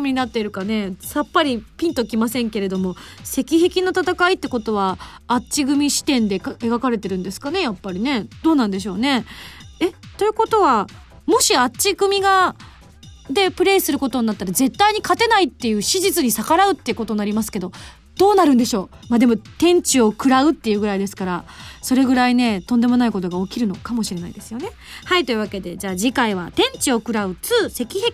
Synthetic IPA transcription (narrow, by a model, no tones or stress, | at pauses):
mʲiɲinat̪ːeɾɯ̟kane̞sapːaɾʲipʲĩnt̪o̞kʲimasẽ̞ŋke̞ɾe̞d̪o̞mo̞se̞kʲiɦe̞kʲino̞t̪at̪akait̪ːeko̞t̪o̞β̞aːt͡ɕiɡɯ̟mʲiɕi̥t̪ẽ̞nd̪e̞eɡakaɾe̞t̪e̞ɾɯ̟̃nd̪e̞sɨ̥kane̞japːaɾʲine̞d̪̥o̞ːnãnd̪e̞ɕ̬o̞ːne̞e̞t̪o̞ɯ̟ko̞t̪o̞βa | mo̞ɕiat͡ɕiɡɯ̟mʲiɡa | d̪e̞pɯ̟ɾe̞ːisɨɾɯ̟ko̞t̪o̞ɲ̟inat̪ːaɾaze̞t̪ːaiɲ̟ikat̪e̞nait̪ːe̞jɯ̟ːɕiʑit͡sɨɲ̟isakaɾaɯ̟t̪ːeɯko̞t̪o̞ɲnːaɾʲimasɨ̥ke̞d̪o̞ | d̪̥o̞ːnaɾɯ̟̃nd̪e̞ɕo̞ːmad̪e̞mo̞t̪ẽ̞ɲ̟t͡ɕio̞kɯ̟ɾaɯ̟t̪ːe̞jɯ̟ːɡɯ̟ɾaid̪e̞sɨ̥kaɾaso̞ɾe̞ɡɯ̟ɾaine̞t̪o̞nd̪e̞mo̞naiko̞t̪̬o̞ɡaokʲiɾɯ̟no̞kamo̞ɕiɾe̞naid̪e̞sɨ̥jo̞ne̞ | hait̪o̞jɯ̟βake̞d̪e̞d͡ʑaːd͡ʑikaiβ̞a̰t̪ẽ̞ɲ̟t͡ɕio̞kɯ̟ɾaɯ̟t͡sɨːse̞kʲihekʲ